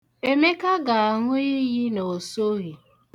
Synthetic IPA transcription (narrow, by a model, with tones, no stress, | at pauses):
e˦me˦ka˦ɡa˨a˨ŋʊ˦i˦ɣi˦no˨so˦ɣi˨